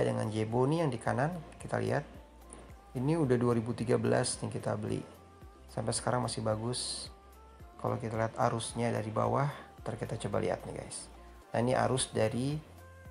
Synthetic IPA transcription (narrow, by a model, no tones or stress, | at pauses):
dəŋa̰nd͡ʒebonijaŋdikanankit̪a̰lḭɦat̪̚ | iniudahduaɾibut̪iɡabəla̰sdaŋkit̪abəlḭ | sampɛsə̥kaɾaŋmasɪhbaɡʊs | kala̰wkit̪aliɦat̪aɾʊsɲada̰ɾiba̰waht̪ərkat̪at͡ʃəba̰lḭɦa̰t̪̚nḭɡa̰js | na̰iniʔa̰ɾʊsdaɾi